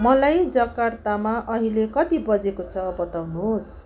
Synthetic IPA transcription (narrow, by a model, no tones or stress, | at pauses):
mʌlajd͡zʌkart̪amaʔʌɦilekʌt̪ibʌd͡zekot͡sʰʌbʌt̪awnuɦos